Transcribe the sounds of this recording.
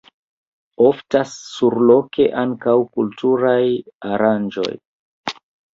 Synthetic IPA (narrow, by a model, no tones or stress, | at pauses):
oftasːuɾlo̞kʰe̞ʔaŋkawkultuɾajaɾand͡ʒo̞̰j